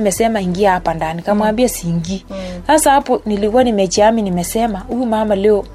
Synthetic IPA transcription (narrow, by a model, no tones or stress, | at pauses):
mɛsɛmaiŋɡiapandanikamwambiasiŋɡisasapɔniliɣwɔnimɛt͡ʃiaminimɛsɛmauimamaleo